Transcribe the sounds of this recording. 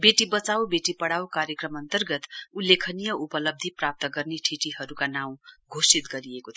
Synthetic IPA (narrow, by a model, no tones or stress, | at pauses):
beʈibʌt͡sawbeʈipʌɽawkaɾjʌkrʌmʌnt̪ʌrɡʌt̪ulːekʰʌnijʌʔupʌlʌb̚d̪ʱiprap̚t̪ʌɡʌrneʈʰiʈihʌɾukanaw̃ɡʱosit̪ɡʌɾiekot̪ʰ